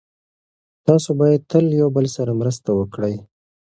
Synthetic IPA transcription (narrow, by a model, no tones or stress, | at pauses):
t̪ɑsobɑjad̪̚t̪əljawbəlsaɾamɾəst̪awəkɽəj